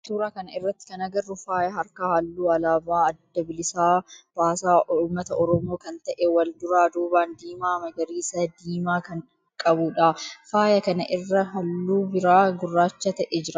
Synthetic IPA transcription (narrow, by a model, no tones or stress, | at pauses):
t̪uːɾaːkɐnɐɪrːɐt̪ːɪ̥kɐnɐɡɐrːʊfaːjɐɦɐɾkɐhɐlːuːɐlaːbaːɐd̪ːɐbɪlɪsaːb̥aːsaːuːmːɐt̪ɐʔɔɾɔmo̞ːkɐnt̪ɐʔewɐld̪ʊɾaːd̪uːbaːnd̪iːmaːmɐɡɐɾiːsɐd̪iːmaːkɐn | kʼɐbuːᶑafaːjɐkɐnɐʔɪrːɐɦɐlːuːbɪɾaːɡʊrːaːt͡ʃːɐt̪ɐʔɛd͡ʒɪɾɐ